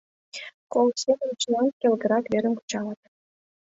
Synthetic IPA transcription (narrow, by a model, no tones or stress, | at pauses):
kolˠsʲenɤmt͡ɕnɑnkʲelʲˠɡɤ̆ɾɑkvʲeɾʲɘ̆mku̥t͡ɕɑlˠɑt̪